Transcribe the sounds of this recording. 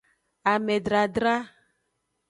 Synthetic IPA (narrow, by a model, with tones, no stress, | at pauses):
a˨mɛ˨ɖɾa˨ɖɾa˦